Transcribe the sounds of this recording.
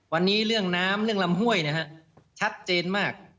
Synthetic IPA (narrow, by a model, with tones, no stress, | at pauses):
wa˧nːiː˦˥ɾɯ˥˩əŋnaː˦˥mɾɯ˥˩əŋla˧mɦu˥˩əjna˥ɦa˦˥ʔt͡ɕʰa˦˥t̪̚t͡ɕeː˧nmaː˥˩k̚